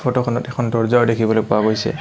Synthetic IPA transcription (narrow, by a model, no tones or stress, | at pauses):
pʰɔtɔkʰɔnɔtɛkʰɔndɔɹzaɹdekʰibɔlojpʊwaɡojsɛ̰